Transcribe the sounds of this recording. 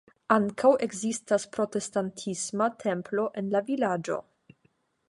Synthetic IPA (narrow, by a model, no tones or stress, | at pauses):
aŋkʰawe̞ɡzistaspɾo̞te̞stantʰismatʰe̞mplo̞ʔe̞nlavilad͡ʒo̞̰